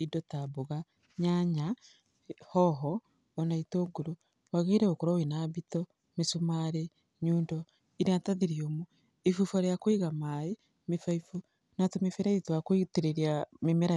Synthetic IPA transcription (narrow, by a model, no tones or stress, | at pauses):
idotaβoɣa | ɲaɲa | hɔɦɔː | naitoːɡuɾo | waɣeiɾeokoɾowinaβito | misumaɾe | ɲuːndo | iɾiataðiɾiomu | ifufaɾejakwiɣamae | mifaifu | natumifeɾeitwakwitiɾeɾiamemeɾa